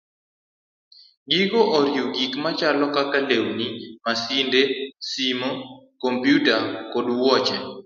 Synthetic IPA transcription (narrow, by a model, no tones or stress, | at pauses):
ɡiɡoʔɔɾjuɡikmat͡ʃalɔkakalewnimasindesimokompjutakodwɔt͡ʃɛ